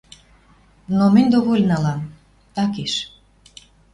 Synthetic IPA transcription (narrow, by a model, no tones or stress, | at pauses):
nomə̆nʲd̪oɣolʲnɑlɑm | t̪ɑkeʃ